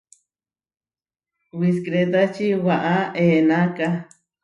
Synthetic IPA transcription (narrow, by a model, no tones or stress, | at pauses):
wis̬kɾet̪̬at͡ʃiwaʔaʔeːnaka